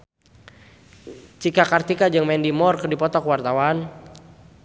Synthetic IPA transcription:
t͡ʃikakart̪ikad͡ʒɨŋmɛndimɔrkɨrdipɔt̪ɔkwart̪awan

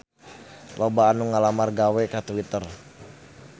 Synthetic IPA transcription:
lobaːnuŋalamarɡawɛkat̪uwit̪ər

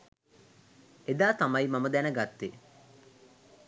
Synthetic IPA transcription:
ed̪aːt̪amɐjmaməd̪ænəɡat̪ːe

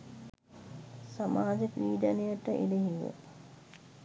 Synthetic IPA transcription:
samaːd͡ʒəkʋiːd̪anejəʈəʔḛleɦiʋə̰

